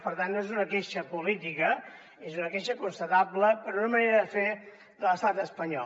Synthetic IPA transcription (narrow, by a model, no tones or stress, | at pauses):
pəɾt̪annoezunəkeʃəpulit̪ikə | ezunəkeʃəkunst̪ət̪abləpəɾunəməneɾəðəfe | ðələst̪at̪əspəɲɔ